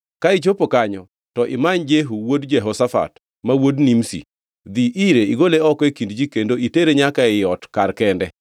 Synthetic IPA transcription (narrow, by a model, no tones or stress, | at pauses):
kaɪt͡ʃopokaɲɔ | tɔʔɪ̰maɲd͡ʒeɦuwodd͡ʒɛɦɔsafa̰t | mawodnimsḭ | d̪iʔiɾeiɡoleɔkekindd͡ʒikendoiteɾeɲakaɪjɔtkaɾkɛndɛ